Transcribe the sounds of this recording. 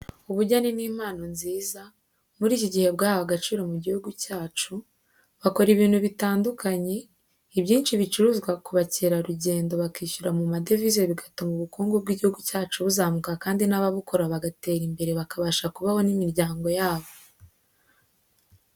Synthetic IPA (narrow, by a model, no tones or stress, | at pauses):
uβuɾɟaniniːm̥aːno̞nziːza | muɾiːcoɟihe̞bɡaːhoaɡat͡ʃiːɾo̞muɟihuɡucaːt͡ʃu | βako̞ɾiβiːnhuβitaːndukaɲe̞ | ibɟiːnʃiβit͡ʃuɾuːzɡwakuβaceɾaɾuɟe̞ːndo̞βakiːçuɾamumade̞vizoβiɡatomuβukuːŋɡob̚ɡiːɟihuɡucaːt͡ʃuβuzaːmukakaːndinaβaβukʰo̞ɾaβaɡate̞ːɾimbe̞ɾe̞βakaβaʃakuβaho̞nimiɾɟaːŋɡo̞jaːβo̞